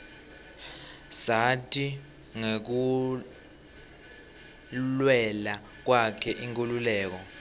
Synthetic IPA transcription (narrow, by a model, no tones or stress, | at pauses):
satʰʼi | ŋek̬u | lwɛla | k̬wakʰɛʔiŋkʼululɛːk̬ɔ